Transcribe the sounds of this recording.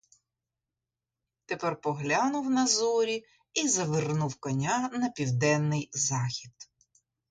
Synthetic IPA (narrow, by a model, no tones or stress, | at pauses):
t̪epɛrpɔɦlʲanʊwnɐzɔɾʲi | izɐʋɪrnuwkɔnʲanɐpʲiwd̪ɛnːɪjzɑxʲid̪